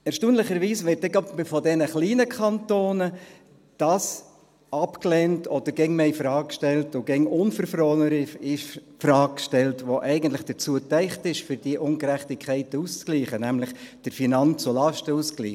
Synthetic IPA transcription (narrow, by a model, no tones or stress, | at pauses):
ɛɾʃtuːnlɪχəɾʋiːsʋɪɾtɛɡɑbɪfɔdɛnəχliːnəkʰχɑntoːnə | d̥ɑːs | ɑpkleːntʰɔd̥əɾɡɛŋmeifɾɑːk̚kʃtɛltʊɡɛŋʊnfəɾfɾɔːnəɾifɪʃpfɾɑːɡ̚kʃtɛltʋoʔɛɪɡəntlɪχd̥ət͡suətɛɪχtɪʃfʏɾd̥iəʔʊŋkɾæχtikʰχɛɪtust͡skliːχənæmlɪχd̥əɾfinɑnt͡sulɑʃtəuːsklḭːχ